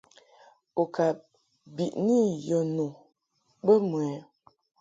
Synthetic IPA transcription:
o˨ka˨ | bi˨ʔni˦jɔ˨no˨ | bə˦mwɛ˨˦

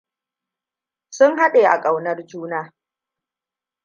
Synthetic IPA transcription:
sʊ˦ŋɦa˦ɗeː˨ʔa̰˨kʼa˨wnɐ˦rd͡ʒuː˦naː˦

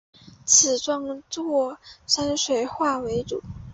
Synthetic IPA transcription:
t͡sʰɹ̩˨˩ʈ͡ʂwɑ˥ŋt͡swɔɔ˥˩ʂa˥nʂwe˧˥ɪxwa˥˩we˧˥ɪʈ͡ʂṵ˨˩˦

